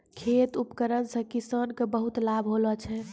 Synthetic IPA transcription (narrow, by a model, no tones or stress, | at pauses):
kʰet̪upkəɾənsə̃kisənkebəɦut̪labʱɦolət͡ʃʰɛ